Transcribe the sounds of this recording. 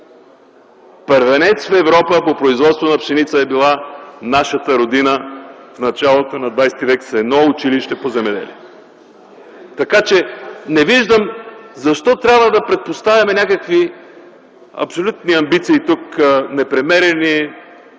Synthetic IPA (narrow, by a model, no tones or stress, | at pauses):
pəɾvɛnɛt̪sfɛvɾɔpəpopɾoizvɔt̪st̪vonɐpʃɛnit̪səɛbilˠanaʃət̪əɾod̪inəfnɐt͡ʃalˠot̪onɐd̪vajst̪ivɛksɛd̪nɔʊt͡ʃiliʃt̪ɛpozɛmɛd̪ɛ̰lʲi | t̪ɐkat͡ʃɛnɛviʒd̪əmzɐʃt̪ɔt̪ɾʲabvəd̪ɐpɾɛt̪̚post̪avɐmɛnʲakəkvi | ɐ̰psolʲut̪niɐmbit̪siːt̪uknɛpɾɛmɛɾɛni